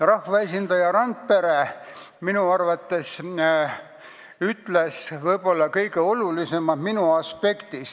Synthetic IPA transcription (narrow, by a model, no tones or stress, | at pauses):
rɑhvɑesʲind̪ɑjɑɾɑnt̪̚pe̞ɾeminuɑrvɑt̪ːˑe̞s | yt̪ˑle̞svɤjbo̞lːɑkɤjɡe̞o̞lulise̞mɑd̪̥minuɑspe̞kt̪is